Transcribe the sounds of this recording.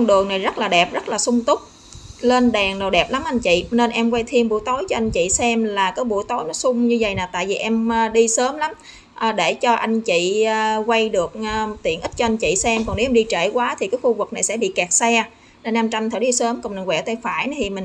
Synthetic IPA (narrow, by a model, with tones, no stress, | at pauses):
ŋɗɨ˨˩əŋna˨˩jzə˦˥t̚laː˨˩ɗɛ˨˩p̚zə˦˥t̚laː˨˩sʊ˧ŋ͡mt̪ʊ˦˥k͡p̚ | le˧nɗɛː˨˩ŋno˨˩ɗɛ˨˩p̚la˨˦mʔa˧jŋ̟t͡ɕḭ˧˨ne˧nʔɛ˧mkwa˧jt̪ʰi˧ənɓu˧˥jt̪o˨˦jt͡ɕɔ˧ʔa˧jŋ̟t͡ɕḭ˧˨sɛ˧mlaː˨˩kaː˨˦jɓṵ˧˥əjt̪o˨˦jnɔ˨˦sʊ˧ŋ͡mɲɨ˧və̰˨jnaː˨˩t̪a̰ː˧˨jvi˨˩ʔɛ˧mː˧ɗi˧səː˨˦mla˨˦m | ʔəː˨˩ɗe˧˩t͡ɕɔ˧ʔa˧jŋ̟t͡ɕḭ˧˨˧kwa˧jɗɨ˨˩ək̚ːt̪ḭ˧˨ənʔi˦˥t̚t͡ɕɔ˧a˧jŋ̟t͡ɕḭ˧˨sɛ˧mkɔ˨˩ne˨˦wʔɛ˧mɗi˧t͡ɕḛ˧˩˨kwaː˨˦t̪ʰi˨˩kaː˨˦jxu˧vɨ˨˩k̚na˨˩jsɛ̰˧˥ɓḭ˧˨kɛ˨˩k̚sɛ˧ | ne˧nːa˧mt͡ɕa˧mt̪ʰəː˧˩˦ɗi˧səː˨˦mkɔ˨˩ŋmɨ˨˩ŋwɛ̰˧˩t̪a˧˩jfaː˧˩jna˨˦t̪ʰi˨˩mï˨˩ŋ